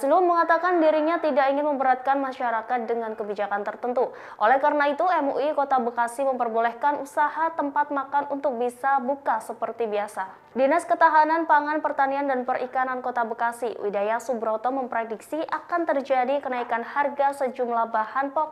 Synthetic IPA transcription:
sənulməŋat̪akandiɾiɲat̪idakiŋɪnməmbəɾat̪̚kanmaʃaɾakat̪̚dəŋankəbid͡ʒakant̪ərt̪ənt̪u | ʔolɛhkaɾənait̪uɛmuʔikot̪abəkasiməmpərbolɛhkanʔusahat̪əmpat̪̚makanunt̪ʊk̚bisabukasəpərt̪ibiasa | dinaskət̪aɦananpaŋanpərt̪aniandanpərʔḭkanankot̪abəkasḭwḭdajasubəɾɔt̪ɔməmpɾediksiʔakant̪ərd͡ʒadikənaikanharɡasəd͡ʒumlahbahanpɔk̚

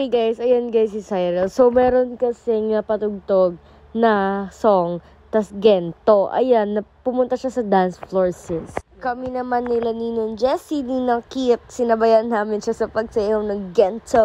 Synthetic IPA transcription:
ɡajsɐjanɡajsɪsajɾɛlsowmɛːɾonkɐsɛŋɐpɐt̪ʊɡ̚t̪oɡ̚ | nɐsoŋ | t̪ɐsɡɛnt̪o̞ʔɐ̰janːɐpʊmʊnt̪ɐʃasɐd̪ansfloɹsɛskɐminɐmanːɪlɐniːnond͡ʒɛsininɐkit̪̚sɪnɐbɐjanːaːmɪnʃɐsɐpɐɡ̚sɐihoŋnɐŋɡɛnt̪o

